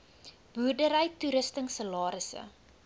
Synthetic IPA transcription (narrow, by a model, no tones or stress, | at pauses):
b̥uːrdəɾəjtuɾəstəŋsəlɑːɾəsə̰